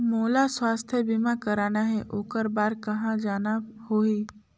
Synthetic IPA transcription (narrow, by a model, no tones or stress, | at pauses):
moːlaswaːst̪ʰjəbimakəɾaːnaɦɛʔoːkəɾbaːɾkɐɦãd͡ʒaːnahoːiː